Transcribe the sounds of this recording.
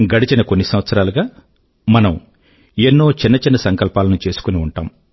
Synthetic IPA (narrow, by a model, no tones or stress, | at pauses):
ɡɐɽit͡ʃinɐkonːisɐmʋɐt̪sɐɾaːluɡaː | mɐnɐm | enːo̞ːt͡ʃinːɐt͡ʃinːɐsɐŋkɐlpaːlɐnut͡ʃe̞ːsu̥kuniuɳʈaːm